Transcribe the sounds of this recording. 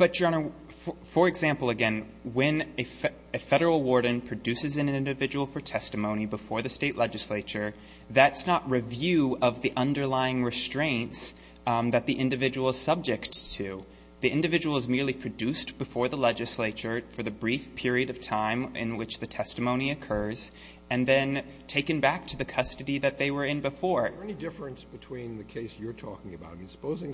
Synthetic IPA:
b̥ʌt̚d̥ʒ̥ɑnə | fə˞ɨɡzæ̃mpl̩ˠɨɡɛ̃n | wɨ̃nɨ | ɨfɛɾə˞l̩ˠwɔɹɾⁿn̩pʰɹ̥ɨdʉsɨzɨ̃nɪ̃ndɨvɪd͡ʒəwl̩ˠfə˞tʰɛstɨmõʊ̃nibəfɔɹðɨsteɪʔˡlɛd͡ʒɨsleɪt͡ʃə˞ | ðɨtsnəʔ̚ɹɨvjʉʌvðiʔʌ̃ndə˞laɪɪ̃ŋɹɨstɹ̥ẽɪ̃nts | ðɨt̪̚ðiʔɪ̃ndɨvɪd͡ʒəwl̩ˠz̥sʌb̚d͡ʒɨktʰʉ | ðiʔɪ̃ndɨvɪd͡ʒəwl̩ˠzmɪɹlˠipʰɹ̥ɨdʉstb̥ɨfɔɹðəlɛd͡ʒɨsleɪt͡ʃə˞fə˞ðɨbɹifpʰɪɹiɨɾʌv̥tʰãɪ̃mɪ̰̃nwɪt͡ʃðɨtʰɛstɨmõʊ̃niɨkʰɜ˞z | ɨ̃nðɨ̃n | tʰeɪkɨ̃nbæk̚tʰɨðɨkʰʌstɨɾiðɨt̪̚ðeɪwə˞ɨ̃nbɨfɔɹɛnidɪfɹɨ̃nsb̥ɨtʰw̥ĩnðɨkʰeɪsjə˞tʰɔ̰kɪ̃ŋɨbaʊt̚mĩnsə̥poʊzɪ̃ŋ

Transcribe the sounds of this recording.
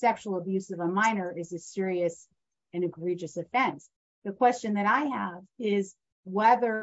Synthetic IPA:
sɛkʃul̩ˠəbjʉsʌvəmãɪ̃nə˞ɪzɨsɪɹiɨs | ɨ̃ñɨɡɹid͡ʒɨsɨfɛ̃ns | ðɨkʰw̥ɛst͡ʃɨ̃nðɨɾaɪəvɪz | wɛðə˞

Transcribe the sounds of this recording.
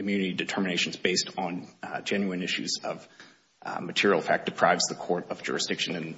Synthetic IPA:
ɨmjʉnɨɾidɨtʰɜ˞mɨneɪʃn̩zbeɪstn̩d͡ʒɛ̃njʉɨ̃nɪʃʉ̰zʌ̰v̥ | mɨtʰɪɹil̩ˠfæ̰k̚d̥ɨpʰɹ̥aɪvzðəkʰɔɹɾʌvd͡ʒʊ̰ɹɨsd̥ɪkʃɨ̃nɨ̃n

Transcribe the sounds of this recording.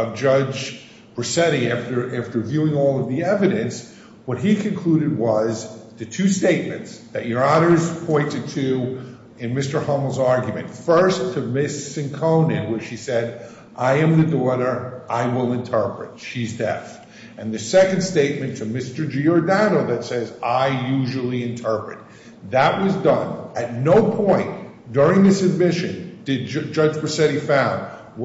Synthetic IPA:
ʌvd͡ʒʌd͡ʒ | b̥əɨsɛɾiæftə˞ʔæftə˞vjʉɪ̃ŋɔlˠʌvðiɛvɨɾɨ̃ns | wʌt̚ɦikʰɨ̃nkʰl̥uɾɨd̚wʌzðɨtʰʉsteɪt̚mɨ̰̃ntsðɨt͡ʃə˞ɑnə˞z̥pʰɔ̃ɪ̃ntɨd̚tʰʉ | ɨ̃nmɪstə˞hɑml̩ˠzɑɹɡjɨmɨ̰̃ntfɜ˞stʰɨmɪsɨ̃nkʰõʊ̃nɪ̃nwə̥isɛɾ | ʔaɪɨ̃mðɨɡɔvəɾə˞ʔaɪwɪlˠɨ̃ntʰɜ˞pɹɨ̰tʃizdɛ̰θ | ɨ̃nðɨsɛkɨ̃n̩dsteɪt̚mɨ̃ntʰɨmɪstə˞d͡ʒiəɹdænoʊðɨtsɛzaɪjʉʒl̩ˠiɨ̃ntʰɜ˞pɹɨ̰t̪̚ | ðəʔ̚wʌzdʌ̃nɨtⁿnoʊpʰɔ̃ɪ̃n | d̥ʊɹɪ̃ŋðɪsɨd̚mɪʃɨ̃nd̥ɨd̚d͡ʒʌd͡ʒpə˞sɛɾifãʊ̃n̚

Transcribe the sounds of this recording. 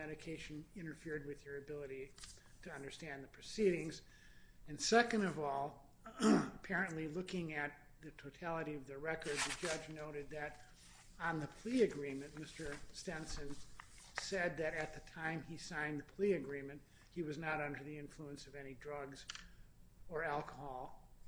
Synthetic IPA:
mɛɾɨkʰeɪʃɨ̃nɪ̃ɾ̃ə˞fɪɹd̚wɨð̥ə˞ɨbɪlˠəɾi | ɾɨʌ̃ndə˞stæ̃nðɨpʰɹ̥ɨsiɾɪ̃ŋz | ɨ̃nsɛkɨ̃ndʌvɔlˠ | əpʰɛɹɨ̃nʔlilʊkɪ̃ŋɨt̪̚ | ðɨtʰoʊtʰælˠəɾiʌvðɨɹɛkə˞d̪̚ðɨd͡ʒʌd͡ʒnoʊɾɨd̪̚ðɨɾ | ə̃nðɨpʰl̥iɨɡɹĩmɨ̃nmɪstə˞stɛ̃nsɨ̃nsɛd̪̚ðɨɾɨt̪̚ðɨtʰãɪ̃misãɪ̃nðɨpʰl̥iɨɡɹĩmɨ̃nʔ̚ | hiwʌznəɾʌ̃ndə˞ðiɪ̃ɱfluə̃nsʌvɛnidɹʌɡz | ə˞ælˠkəhɔlˠ

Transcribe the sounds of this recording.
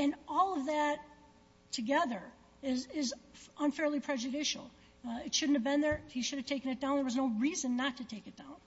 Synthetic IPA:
ɨ̃nɔlˠʌvðɨtʰ | ɨɡɛðə˞ | ɪzɪzə̃nfɛɹlˠipʰɹ̥ɛd͡ʒɨɾɪʃl̩ˠ | ɨtʃʊdⁿn̩tɨvbɨ̃nðə˞hiʃʊɾɨv̥tʰeɪkɨ̃nɨt̚d̥ãʊ̃nðə˞wʌznoʊɹizɨ̃nːətʰɨtʰeɪkɨt̚d̥ãʊ̃n

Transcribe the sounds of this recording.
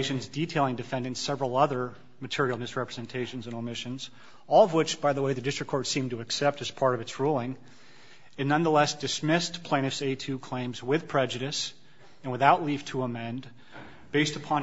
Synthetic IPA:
ɪʃɨ̃nzditʰeɪlˠɪ̃ŋdɨfɛ̃ndɨ̃nsɛvɹl̩ˠʌðə˞ | mɨtʰɪɹil̩ˠmɨsɹɛpɹəzɨ̃ntʰeɪʃn̩zɨ̃nəmɪʃɨ̃nz | ɔlˠʌvwɪt͡ʃb̥aɪðəweɪðɨdɪstɹ̥ɨkʰɔɹtsĩmtɨːksɛp̚tɨz̥pʰɑɹɾʌvɨtsɹulˠɪ̃ŋ | ɨnʌ̃nðəlɛsd̥ɨsmɪspʰl̥ẽɪ̃ɨfseɪtʰʉkʰl̥ẽɪ̃mzwɪð̥pʰɹ̥ɛd͡ʒɨɾɨs | ɨ̃nwəθaʊʔˡliv̥tʰəəmɛ̃n | b̥eɪstəpʰɑ̃

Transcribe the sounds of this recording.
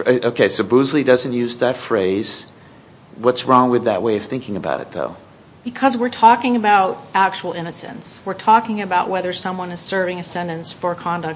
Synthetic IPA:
oʊkʰeɪsoʊbuzlidʌzɨ̃n̩ʔjʉzðɨtfɹeɪz̥ | wʌtsɹɔ̃ŋwɨðɨ̰ʔ̚weɪʌv̥θɪ̃ŋkɪ̃ŋɨba̰ʊɾɨ̰t̪̚ðo̰ʊ | b̥ɨkʰʌzwɪɹtʰɔkɪ̃ŋɨbaʊɾæk̚t͡ʃuwl̩ˠɪ̃ñɨsɨ̰̃nswɨɹtʰɔkɪ̃ŋɨbaʊʔwɛðə˞sʌ̃mwʌ̃nɨz̥sɜ˞vɪ̃ŋɨsɛ̃ndɨ̃nsfə˞kʰɑ̃ndɨk̚

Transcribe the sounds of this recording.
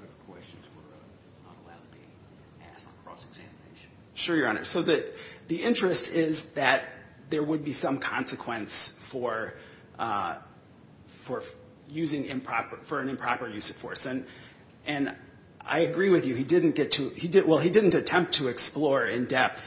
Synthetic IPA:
ɛvəkʰw̥ɛst͡ʃɨ̃nzwə˞ | nə̰ɾəlaʊtʰəbi | æstn̩kʰɹ̥ɔ̰sɨɡz̥æmɨneɪʃn̩ | ʃʊɹjə˞ɑ̰nə̰˞soʊðɨðiʔɪ̃nt͡ʃɹ̥ɨstɪzðɨt̪̚ | ðə˞wəd̚bisʌ̃mkʰɑ̃nsɨkʰw̥ɛ̃nsfə˞ | fə˞ | jʉzɪ̃ŋɪ̰̃mpʰɹ̥ɑpə˞fə˞ɨ̃nɨ̃mpʰɹ̥ɑpə˞jʉsɨ̥fɔ̰ɹsɨ̃n | ʔɨ̃n | ʔa̰ɪɨɡɹiwɨðjɨidɪdⁿn̩ɡ̥ɛtʰɨidɪwɛlˠidɪdⁿn̩tɨtʰɛ̃mp̚tʰɨɨksplɔɹɪ̃ndɛp̚θ

